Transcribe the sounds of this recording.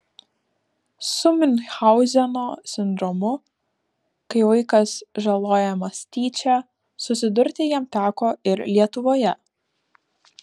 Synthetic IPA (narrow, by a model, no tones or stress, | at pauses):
sʊmʲɪnʲxɐʊzʲɛnoːsʲɪnd̪ɾɔmʊ | kɐɪʋɐɪkɐsʒɐlˠoːjɛmɐsʲt̪ʲiːt͡ʃʲæ | sʊsʲɪd̪ʊɾʲt̪ʲɪjiɛmt̪ʲæːkoːɪɾlʲiɛt̪ʊʋoːjɛ